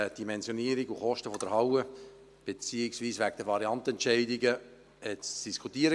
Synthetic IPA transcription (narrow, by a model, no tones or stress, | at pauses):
d̥imɛnzjoniːəɾiɡuχɔʃtəfod̥əɾhɑwə | b̥et͡siːɪksviːsvæɡ̚d̥əvɑɾiɑntɛntʃɛɪdiɡə | ɛt͡sd̥iskʰutiːəɾə